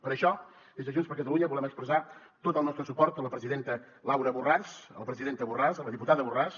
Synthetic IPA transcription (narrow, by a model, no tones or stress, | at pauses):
pəɾəʃɔ | ezəʒunspəɾkət̪əluɲəβulɛməkspɾəza | t̪ot̪əlˠnɔst̪ɾəsupɔɾt̪ələpɾəziðent̪ə | lawɾəβurasələpɾəziðent̪əβurazələðiput̪aðəβuras